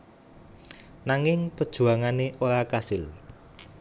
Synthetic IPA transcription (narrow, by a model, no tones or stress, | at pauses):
naŋɪŋpəd̥ʒ̥ṳaŋaneʔoɾakasɪl